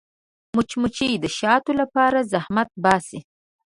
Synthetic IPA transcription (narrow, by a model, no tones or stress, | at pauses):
mʊt͡ʃmʊt͡ʃid̪əʃɑt̪olapɑɾazahmat̪̚bɑsi